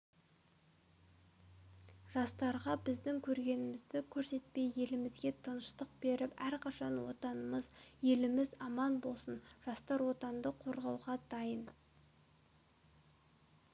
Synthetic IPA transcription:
ʒɑst̪ɑɾʁɑbɪzd̪ɪŋkʲʰɵɾɡʲe̞nɪmɪzd̪ɪkʲʰɵɾse̞t̪̚pe̞je̞lɪmɪzɡʲe̞t̪ʰənəʃt̪əq̚be̞ɾɪpæɾqʰɑʃɑnwo̞̰t̪ɑnəməzje̞lɪmɪzɑmɑnbo̞lˠsənʒ̥ɑst̪ɑɾwo̞t̪ɑnd̪əqʰːo̞ɾʁɑwʁɑd̪ɑjən

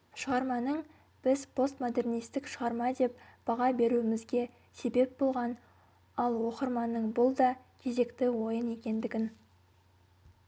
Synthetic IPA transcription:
ʃəʁɑɾmɑnəɴ | b̥ɪzpʰo̞st̪mod̪e̞rnijst̪ɪkʃəʁɑɾmɑd̪e̞pb̥ɑʁɑbe̞ɾuɪmɪzɡʲe̞ | se̞be̞p̚bo̞lˠʁɑn | ɑlˠwo̞qəɾmɑnəɴbʊlˠd̪ɑ | kʲʰe̞ze̞kt̪ɪwo̞jəne̞kʲe̞nd̪ɪɡʲɪn

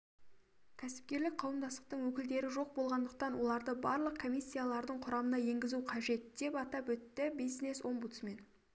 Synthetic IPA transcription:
kʲʰæsɪ̥p̚kʲe̞ɾlɪk̚qʰɑwəmd̪ɑst̪ə̥q̚t̪əɴwɵkʲɪld̪e̞ɾɪʒo̞q̚bo̞lˠʁɑnd̪əq̚t̪ɑnwo̞lˠɑɾd̪əbɑɾlˠəq̚kʰo̞mʲijsʲːijalˠɑɾd̪əɴqʰʊɾɑmənɑje̞ŋɡʲɪzuqʰɑʒe̞t̪d̪̥e̞pɑt̪ɑpɵt̪ːɪbijzneso̞mbut̪sme̞n

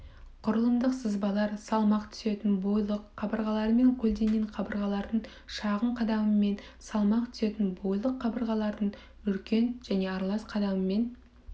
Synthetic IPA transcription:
qʰʊɾəlˠəmd̪əqsəzbɑlˠɑɾsɑlˠmɑqt̪ʰʏ̥se̞t̪ɪnbojlˠəqʰːɑbəɾʁɑlˠɑɾəme̞ŋkʲʰɵld̪e̞ŋɡʲeɴqʰɑbəɾʁɑlˠɑɾd̪əɴ | ʃɑʁəɴqʰɑd̪ɑməme̞nsɑlˠmɑqt̪ʰʏ̥se̞t̪ɪnbo̞jlˠəqʰːɑbəɾʁɑlˠɑɾd̪əɴ | ʏlkʲe̞nʒ̥æne̞ɑɾlˠɑsqʰɑd̪ɑməme̞n

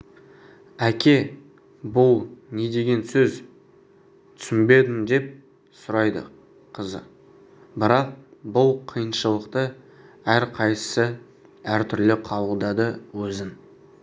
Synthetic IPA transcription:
ækʲʰe̞ | bʊlˠne̞d̪e̞ɡʲe̞nsɵz | t̪ʰʏ̥sɪmbe̞d̪ɪmd̪e̞p̚ | sʊɾɑjd̪ə̰ | qʰəzə̰ | bɪɾɑq̚bʊlˠqʰijənʃəlˠəqt̪ə | æɾqʰɑjsə̥sə | æɾt̪ʰʏɾlɪqʰɑlˠəlˠd̪ɑd̪əwɵzɪn

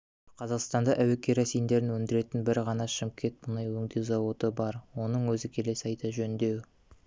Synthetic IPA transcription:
qʰɑzɑqst̪ɑnd̪ɑʔæwe̞kʲʰe̞ɾɑsijnd̪e̞ɾɪnwɵnd̪ɪɾe̞t̪ɪnbɪɾʁɑnɑʃɪmkʲʰe̞t̪̚bʊnɑjwɵŋd̪ewzɑwo̞t̪əbɑɾwo̞nəɴwɵzɪkʲʰe̞le̞sɑjt̪ɑʒɵnd̪e̞w

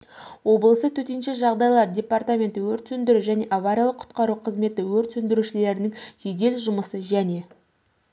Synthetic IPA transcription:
wo̞bəlˠəsət̪ʰɵt̪enʃeʒɑʁd̪ɑjlˠɑɾdʲe̞part̪amʲe̞nt̪ɪwɵɾt̪sɵnd̪ɪɾuʒæne̞ʔavaɾʲijalˠəqʰʊ̥t̪qɑɾuqʰəzme̞t̪ɪwɵɾt̪sɵnd̪ɪɾuʃɪle̞ɾɪnɪŋʒeɡʲe̞lʒʊməsəʒæne̞

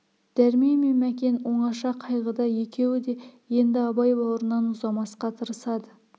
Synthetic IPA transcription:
d̪̥æɾmejmemækʲe̞nwo̞ɴɑʃɑqʰɑjʁəd̪ɑje̞kʲʰe̞wɪd̪e̞je̞nd̪ɪɑbɑjbɑwɾənɑnʊzɑmɑsqɑt̪ʰəɾəsɑd̪ə

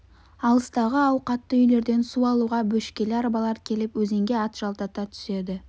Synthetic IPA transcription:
ɑlˠəst̪ɑʁəɑwqɑt̪ːəʏjle̞ɾd̪e̞nsuɑlˠuʁɑbɵʃkʲe̞lɪɑɾbɑlˠɑɾkʲʰe̞lɪpwɵzeŋɡʲe̞ɑt̪ʒ̥ɑlˠt̪ɑt̪ɑt̪ʰʏ̥se̞d̪ɪ

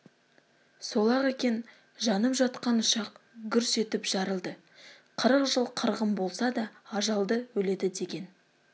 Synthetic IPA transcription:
so̞lˠɑʁekʲe̞n | ʒɑnəpʒɑt̪̚qɑnʊʃɑqɡʲʏɾse̞t̪ɪpʒ̥ɑɾəlˠd̪ə | qʰəɾəqʒəlˠqʰəɾʁəmbo̞lˠsɑd̪ɑːʒɑlˠd̪əwɵle̞d̪ɪd̪e̞ɡʲe̞n

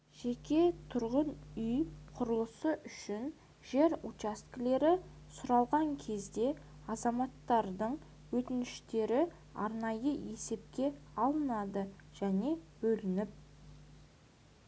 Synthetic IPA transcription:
ʒ̥ekʲe̞t̪ʰʊɾʁənʏjqʰʊɾəlˠəsəʔʏʃɪn | ʒe̞ɾut͡ʃast̪kle̞ɾɪ | sʊɾɑlˠʁɑŋkʲʰe̞zd̪e̞ | ɑzɑmɑt̪ːɑɾd̪əɴ | wɵt̪ɪnɪʃt̪e̞ɾɪ | ɑ̰ɾnɑjəe̞se̞p̚kʲe̞ɑlˠənɑd̪əʒ̥æne̞b̥ɵlɪnɪp̚

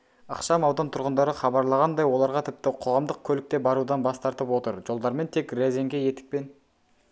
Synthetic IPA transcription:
ə̰qʃɑmɑwd̪ɑnt̪ʰʊɾʁənd̪ɑɾəχɑbɑɾlˠɑʁɑnd̪ɑjwo̞lˠɑɾʁɑt̪ʰɪp̚t̪ɪqʰo̞ʁɑmd̪əq̚kʲʰɵlɪk̚t̪e̞bɑɾud̪ɑnbɑst̪ɑɾt̪əpwo̞t̪əɾʒo̞lˠd̪ɑɾme̞nt̪ʰe̞krezeŋɡʲe̞je̞t̪ɪ̥k̚pe̞n

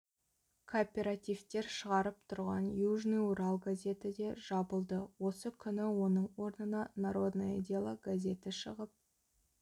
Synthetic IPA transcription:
kʰopʲe̞ɾat̪ijvt̪e̞ɾʃəʁɑɾəp̚t̪ʰʊɾʁɑ̰njuʒniuɾalˠɡazʲe̞t̪ɪd̪e̞ʒɑbəlˠd̪əwo̞səkʲʰʏnɪwo̞nəɴwo̞ɾnənɑnaɾo̞d̪naid̪ʲalˠəɡazʲe̞t̪ɪʃəʁəp̚

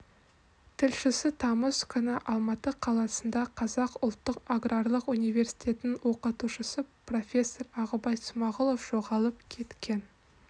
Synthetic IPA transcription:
t̪ʰɪlʃɪsɪt̪ʰɑməskʲʰʏnɪʔɑlˠmɑt̪əqʰɑlˠɑsənd̪ɑqʰɑzɑqʊlˠt̪ːəqaɡrarlˠəqunijvʲe̞rsi̥jt̪ʲe̞t̪ɪnɪŋwo̞qət̪uʃəsəpro̞fʲe̞sːo̞rɑʁəbɑj̪sʊmɑʁəlˠo̞fʒ̥o̞ʁɑlˠəp̚kʲʰe̞t̪kʲʰen

